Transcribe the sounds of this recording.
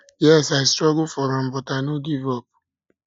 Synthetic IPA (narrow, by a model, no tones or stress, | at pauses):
jɛsaɪstɾɔɡʊfɔɾɔ̃m̩bɔtanoɡivɔp̚